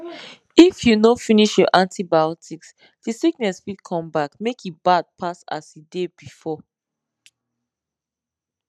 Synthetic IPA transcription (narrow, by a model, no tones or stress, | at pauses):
ifjunofiniʃjɔʔãntibaɔtiks | disik̚nɛsfikʰɔ̃mbakmekʰibad̚pʰasa̰sidebifɔ